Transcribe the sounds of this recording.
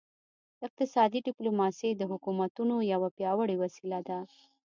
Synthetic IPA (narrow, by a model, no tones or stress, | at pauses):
ɪq̚t̪ɪsɑd̪iɖɪplumɑsed̪əɦʊkumat̪unojawapjɑwəɽiwasilad̪a